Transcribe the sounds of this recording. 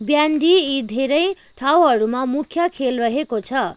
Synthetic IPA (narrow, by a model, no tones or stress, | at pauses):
bjaɳɖiid̪ʱeɾʌj | ʈʰawɦʌɾumamukʰjʌkʰelrʌɦekot͡sʰʌ